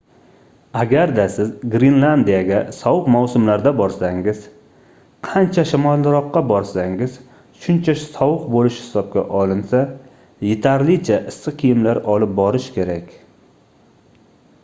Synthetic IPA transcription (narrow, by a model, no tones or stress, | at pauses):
aɡʲaɾd̪asɪzɡɾinlˠand̪ijaɡʲasɒwɨqmawsʊmlaɾd̪abɒɾsaŋɪz̥ | qʰant͡ʃʰaʃamɒlˠːɾɒqːɑbɒɾsaŋɪz | ʃʊnt͡ʃʰasɒwɨqbolɪʃhɪ̥sɒb̚kʲa̰ʔɒlˠɪnsa | jet̪ʰaɾlɪt͡ʃʰaʔɪsːɨqʰijɪmlaɾɒlɪp̚bɒɾɪʃkʲe̞ɾakʲ